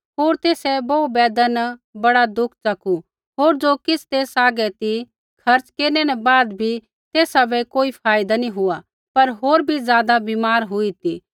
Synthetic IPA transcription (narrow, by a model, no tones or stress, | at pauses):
ɦoːɾt̪eːsɛboubɛːd̪ənbɐɽad̪ʊkʰt͡ʃɐkʰu | ɦoːɾd͡ʒoːkɪst̪eːsaːɡɛt̪i | kʰɐɾt͡ʃkeːnɛnɛbaːd̪bʱi | t̪eːsabɛkoːipʰaːɪd̪anĩɦʊa | pɐɾɦoːɾbʱizjaːd̪abiːmaːɾɦʊit̪i